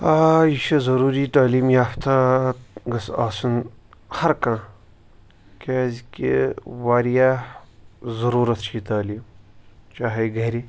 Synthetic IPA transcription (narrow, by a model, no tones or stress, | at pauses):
ajiʃɐzɐɾuːɾit̪aːliːmjaːft̪ʰa | ɡɐsaːsunhɐɾkãː | keːzkḭwaːɾijaː | zɐɾuːɾɐt̪ʰt͡ʃʰit̪aːliːmt͡ʃaːɦeɡɐɾi